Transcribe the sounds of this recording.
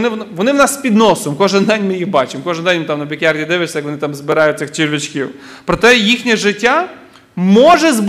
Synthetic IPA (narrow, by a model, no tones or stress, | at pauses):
nɪʋɔnɪwnɑspʲid̪nɔsɔmkɔʒɪnd̪ɛnʲmɪjixbɑt͡ʃɪmkɔʒɨɪnd̪ɛnʲmɪt̪ɑmnɔbʲikʲɛrdʲid̪ɪʋɪsʲɐjɐkʋɔnɪt̪ɑmzbɪɾɑjʊtʲːɐxt͡ʃiɾʲʋʲit͡ʃkʲiw | pɾɔt̪ɛjixnʲɛʒɪtʲːa | mɔʒɛzb